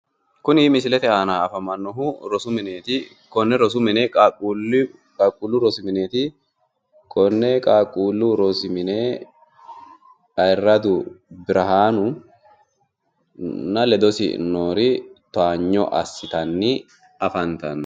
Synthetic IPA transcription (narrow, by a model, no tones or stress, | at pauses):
kʊnɪːmɪsɪlɛt̪ɛaːnaːɐfɐmɐnːɔɦʊɾɔsʊmɪneːt̪ɪ | kɔnːɛɾɔs̬ʊmɪneːl | kʼaːkʼːuːlːʊɾɔsɪmɪneːt̪ɪ | kʰɔnːɛkʼaːkʼːuːlːʊɾɔsɪmɪneː | ɐɪrːɐd̪ʊbɪɾʔɐɦaːnʊ | nɐlɛd̪ɔsɪ̰noːɾɪt̪aːɲːɔ̰ʔɐ̰sːɪt̪ɐnːɪ | ɐfɐnt̪ɐ̰nː